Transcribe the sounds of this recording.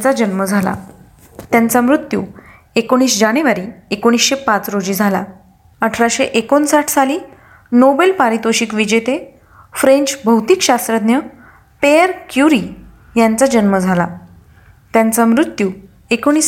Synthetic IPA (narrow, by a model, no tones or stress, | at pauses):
t͡sad͡ʑənməd͡zʱala̰ | t̪jant͡samɾut̪jṵː | ekoɽ̃iːsd͡ʑaɽ̃eʋaɾiːekoɽ̃iːsɕepat͡sɾod͡ʑiːd͡zʱala̰ | əʈʰɾaɕeʔekonsaʈʰsaliː | nobelpaɾit̪oɕiːkʋid͡ʑet̪e | fɾẽɲt͡ɕbʱəwt̪ikɕast̪ɾəd̪njə | peəɾkjuɾi | jant͡sad͡ʑənməd͡zʱala̰ | t̪jant͡samɾut̪juː | ekoɽ̃iːs